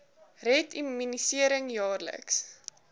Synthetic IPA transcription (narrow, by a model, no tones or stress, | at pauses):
rɛtiminisiəɾəŋjɑːrlə̰ks